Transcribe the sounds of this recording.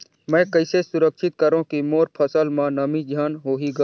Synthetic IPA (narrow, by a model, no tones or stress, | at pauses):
mɛ̃ːkɐɪsesʊɾəkʃɪt̪̚kəɾõkimoːɾpʰəsəlmãnɐmĩd͡ʒʱaːnɦoːɦiɡaː